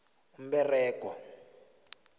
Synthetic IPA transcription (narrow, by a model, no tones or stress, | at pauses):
um̩bɛrɛːk̬ʼɔ